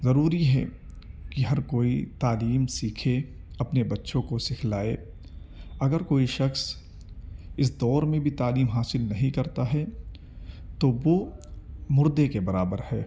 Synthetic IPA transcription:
zɐɾuːɾiɦɛ̰ | kiɦɐɾkoːit̪aːliːmsiːkʰeɐpnebɐtːʃõkosɪkʰlaːe | ɐɡəɾkoːiʃɐxs | ɪs̬d̪ɔːɾmẽbʱit̪aːliːmɦaːsɪlnɐɦĩkɐɾt̪aɦɛ | t̪oʋo | mʊɾd̪ekebɐɾaːbəɾhɛː

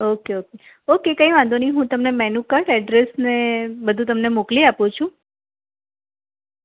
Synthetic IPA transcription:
okeoke | okekə̃ĩʋãnd̪ʱoniɦũt̪əmnemɛnũkəɾɛɖɾesnebəd̪ʱũt̪əmnemokliapũt͡ʃʰũ

